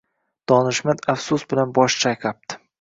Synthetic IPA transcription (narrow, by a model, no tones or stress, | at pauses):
d̪̥ɒnɪʃmad̪afsʊsbɪlanbɒʃt͡ʃʰajqʰap̚t̪ʰɪ̥